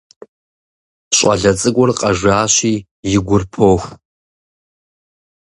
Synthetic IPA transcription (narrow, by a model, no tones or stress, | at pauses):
ɕʼɐ̰ɮɐt͡sʼɨkʷʼɔrqʼɐʒʷaːɕiː | jɪɡʷʊrpʰoːxʷ